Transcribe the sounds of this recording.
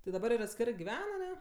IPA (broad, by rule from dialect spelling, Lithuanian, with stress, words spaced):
tʲɪ dɐˈbɐr ɪr ɐtʲˈsʲkʲæːrɜ ɡʲɪˈʋʲɛn ɐˈnʲɛ